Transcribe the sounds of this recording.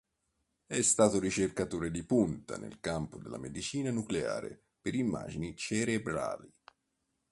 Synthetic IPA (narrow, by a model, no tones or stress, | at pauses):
ɛst̪aːt̪ʊɾit͡ʃerkat̪oːɾed̪ipunt̪a̰nḛlkampʊd̪elːa̰med̪it͡ʃiːnanuklea̰ːɾḛ | peɾimːa̰ːd͡ʒinit͡ʃeɾebɾa̰ːli